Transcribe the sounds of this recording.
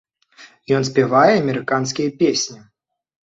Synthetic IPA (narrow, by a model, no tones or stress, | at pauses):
jɔns̬ʲpʲɛvajɛɐmʲɛɾɨkans̬kʲijɐpʲesʲnʲi